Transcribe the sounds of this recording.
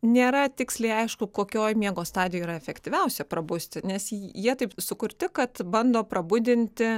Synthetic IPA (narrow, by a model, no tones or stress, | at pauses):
nʲeːɾɐt̪ʲɪksʲlʲɛɪɐɪʃkʊkoːkʲoːjmʲiɛɡoːst̪ɑːd̪ʲɪjoiːɾɐɛfʲɛkt̪ʲiʋʲɛʊsʲɛpɾɐbʊsʲt̪ʲɪnʲɛsjiɛt̪ɐɪpsʊkʊɾʲt̪ʲɪkɐt̪bɐnd̪oːpɾɐbʊd̪ʲɪnʲt̪ʲɪ